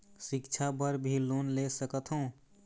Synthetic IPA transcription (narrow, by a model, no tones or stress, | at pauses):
sikt͡ʃʰabəɾbʱilonlesəkət̪ʰɦõ